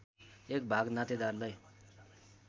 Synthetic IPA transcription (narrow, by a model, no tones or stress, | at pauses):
ek̚bʱaɡnat̪ed̪arlʌj